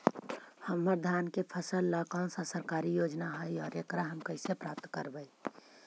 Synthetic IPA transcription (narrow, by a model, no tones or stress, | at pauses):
həmːəɾd̪ʱaːnkepʰəsəlːakɔːnsãsəɾkaɾijoːd͡ʒnaɦəjɔːɾekɾaɦəmkəɪsepɾap̚t̪kəɾbəi